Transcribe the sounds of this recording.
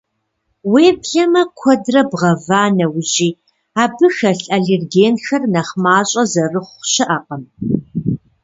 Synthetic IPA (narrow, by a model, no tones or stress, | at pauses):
weːbɮɐmɐkʷʰɔdrɐbʁɐvaːnɐwʊʑiː | aːbɨxɐɬɐɮerɡeːnxɐrnɐχmaːɕʼɐzɐrɨχʷɕɪʔɐqʼɐm